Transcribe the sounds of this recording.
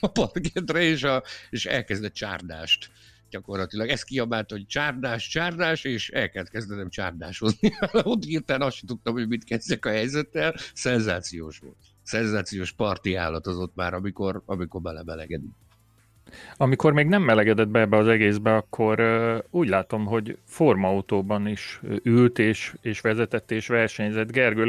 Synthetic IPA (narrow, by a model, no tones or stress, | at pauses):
ɒpɒt̪ɡɛt̪rɛeːʃɒeːʃɛ̰lkɛzd̪ɛt̪̚t͡ʃa̰ːrd̪a̰ːʃt̪ | ɟ̥ɒko̞rlɒt̪ilɒɡɛst̪̚kijɒbaːlt̪ɒoc̚t͡ʃaːrd̪aːʃt͡ʃaːrd̪aːʃeːʃɛ̰lkɛlt̪̚kɛzd̪ɛnɛmt͡ʃa̰ːrd̪aːʃozniaːlɒot̪iːrt̪aːnɒsʃɛt̪ut̪ːɒmɦoɟmit̪kɛzdɛkɒɦɛjzɛt̪ːɛlsɛnzaːt̪sijoːʃʋo̰t̪ | sɛnzaːt̪sijoːʃpɒrt̪ia̰ːlːɒt̪ɒzot̪ma̰ːɾɒmiko̞rɒmikormɛlɛmɛlɛɡɛd̪ik | ɒmiko̞rmeːɡnɛmːɛlɛɡɛd̪ɛd̪̚bɛɛbːɛɒzɛɡeːzbɛɒkʰːo̞ɾuːɟlaːt̪o̞mɦo̞ɟfo̞rmɒut̪oːbɒniʃylt̪eːʃeːʃʋɛzɛt̪ɛt̪ːeːʃʋɛrʃɛɲzɛd̪ɡɛrɡøl